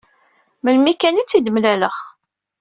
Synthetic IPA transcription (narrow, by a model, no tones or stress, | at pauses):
məlmikænit͡sːid̪əmlæləχ